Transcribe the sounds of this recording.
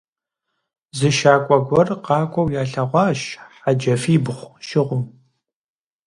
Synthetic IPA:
zɨʃaːkʷʼɔɡʷɔrqɑːkʷʼɔwjaːɬɐʁʷɑːʃħad͡ʒɐfiːbχʷʃɪʁʷʊm

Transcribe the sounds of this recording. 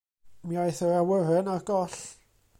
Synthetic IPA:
miajθərawəɾɛnarɡɔɬ

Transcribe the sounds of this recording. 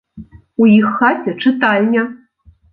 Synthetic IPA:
ujixːatʲɐʈ͡ʂʰɨt̪alʲnʲa

